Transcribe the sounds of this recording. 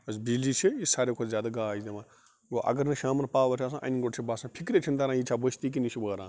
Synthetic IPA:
ɐs̬bilit͡ʃʰiisaːɾeːkʰozʲjaːd̪aɡaːid̪ema | ɡoʔɐ̰ɡɐɾnɐʃaːmɐɾpaːʋɐʈʰaːs̬ãːʔɐ̰niɡoʈt͡ʃʰibaːsãːpʰikɾeːt͡ʃʰind̪aːɾãːjit͡ʃʰaːbəst̪iːk̬init͡ʃʰubəːɾãː

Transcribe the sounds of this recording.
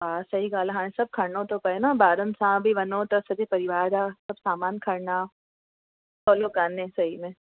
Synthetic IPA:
ɦaːsɐɦiɡaːlɦãːẽsɐb̚kʰɐɾnõt̪opɐenabaːɾə̃nsãːbʱiʋɐnõt̪ɐsɐd̪ʱepɐɾɪʋaːɾdasɐbsaːmaːnkʰɐɾna | tɔːlokaːnẽsɐɦimẽ

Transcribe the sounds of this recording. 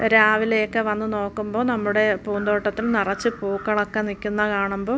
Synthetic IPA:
ɾaːʋilejkːeʋɐnːuno̞ːkːumbo̞ːnɐmːuɽe̞puːnd̪o̞ːʈːɐt̪ːilnirɐt͡ɕːɨpuːkːɐɭɐkːenːikʲːunːɐkaːɳumbo̞ː

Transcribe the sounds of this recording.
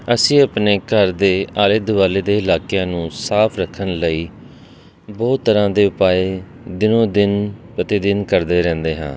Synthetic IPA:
əsĩːəpneːkəɾd̪eːaːlɪd̪ʋaːleːd̪eːɪlaːkejãːnũːsaːpʰɾəkʰːənləiː | bɔːt̪ːəɾãːd̪eːʊpaːeː | d̪ɪnõːd̪ɪnpət̪eːd̪ɪnkəɾd̪eːɾɛ̃ːnd̪eːɦã̰ː

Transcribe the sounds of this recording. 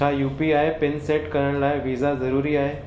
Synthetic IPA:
ajupiajpenseʈkəɾəɳlajʋid͡zad͡zəɾuːɾiːaɦe

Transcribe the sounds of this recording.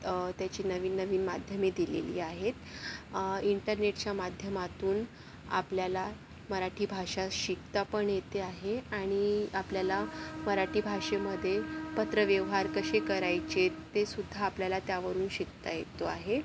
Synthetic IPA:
t̪jat͡ɕiːnəʋiːnːəʋiːnmad̪ʱjəmiːd̪ilḛlḭːaɦet̪ | iɳʈəɾneʈt͡ɕjamad̪ʱjəmat̪uːn | a̰pljala | məɾaʈʰiːbʱaʂaɕik̚t̪apəɳjet̪eaɦeaɽ̃iapljalaməɾaʈʰiːbʱaʂeməd̪ʱːjepət̪ɾəʋjəʋɦaɾkəɕekəɾajt͡ɕet̪ːesud̪ʱːaːpljalat̪jaʋəɾuːnɕikt̪ajet̪oa̰ɦe

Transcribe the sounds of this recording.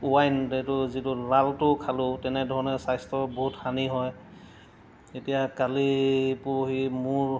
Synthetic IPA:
uwajntɛtʊzitʊlaltʊkʰalʊtɛnɛdʱɔɹɔnɛsajstɔboɦutxaniɦɔj | etijakalipuɦimuɹ

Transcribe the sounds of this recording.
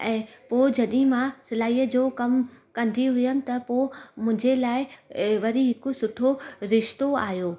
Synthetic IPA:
ɛ̃ːpoːɪd͡ʑɐɗɪ̃mãsɪlaːiːəd͡ʑoːkɐmkɐ̃nd̪iɦʊjənɪ̆t̪ɐpoːmʊ̃ɪ̃ɲd͡ʑelaːɪʋɐɾiɦɪkosʊʈʰoɾɪʃt̪oaːɦjoː

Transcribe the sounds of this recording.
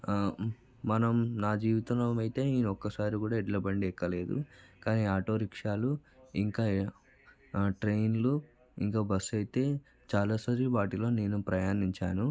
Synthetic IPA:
mɐnɐmnaːd͡ʒiːʋit̪ɐnɐmɐjt̪e̞ːniːnuɔkːɐsaːɾikuːɽaːiɖlɐbɐɳɖiɛkːɐle̞ːd̪ṵkaːniːaːʈo̞ːɾikʂaːluiŋkaː | ʈɾe̞jnlu | ḭŋkaːbɐsːɐjit̪e̞ː | t͡ʃaːlaːsaːɾiʋaːʈilo̞ːneːnupɾɐjaːniɲt͡ʃaːnu

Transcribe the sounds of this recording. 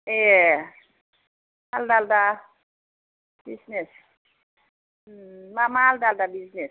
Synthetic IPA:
e | aldalda | bisnes | mamaldaldabiznes

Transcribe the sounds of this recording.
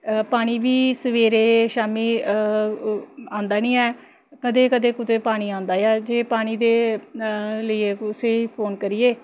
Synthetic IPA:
paːɽ̃iːʋiːsəʋeːɾeːʃaːmiː | ãːnd̪aːnĩːɛː | kəd̪eːkəd̪eːkʊt̪eːpaːɽ̃iːãːnd̪aːjɛːd͡ʒeːpaːɽ̃iːd̪eː | ləieːkseːpʰoːnkəɾɪjeː

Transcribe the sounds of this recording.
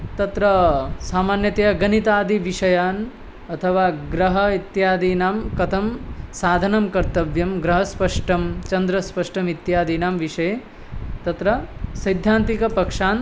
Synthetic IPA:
t̪ɐt̪ɾɐsaːmaːnjɐt̪ɐjɐɡɐnit̪aːd̪ʱiʋiʂɐjaːn | ɐt̪ʰɐʋaːɡɾɐɦɐit̪jaːd̪iːnaːmkɐt̪ʰɐmsaːd̪ʱɐnɐmkɐɾt̪ɐʋjɐmɡɾɐɦɐspɐʂʈɐmt͡ʃɐnd̪ɾɐspɐʂʈɐmit̪jaːd̪iːnaːmʋiʂɐje | t̪ɐt̪ɾɐsɐjd̪ʱjaːnt̪ikɐpɐkʂaːn

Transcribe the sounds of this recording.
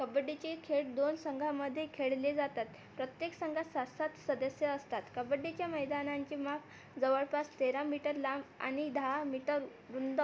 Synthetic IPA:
kəbəɖit͡ɕekʰeʈ̚d̪onsəŋɡʱaməd̪ʱːjekʰeɭled͡zat̪at̪ | pɾət̪jeksəŋɡʱasasat̪səd̪əsjəəst̪at̪kəbəɖit͡ɕjaməjd̪anaɲt͡ɕiːmaf | d͡zəʋəɭpast̪eɾamiʈəɾlama̰ɽ̃id̪ʱamiʈəɾ | ɾund̪ə

